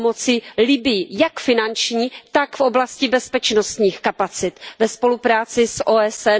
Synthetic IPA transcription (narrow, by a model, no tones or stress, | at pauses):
mo̞t͡sɪlɪbɪjɪjakfɪnant͡ʃɲiːt̪akfʔo̞blascɪbɛspɛt͡ʃnost̪ɲiːxkapat͡sɪt̪vɛspo̞lupɾaːt͡sɪsʔoːɛsɛ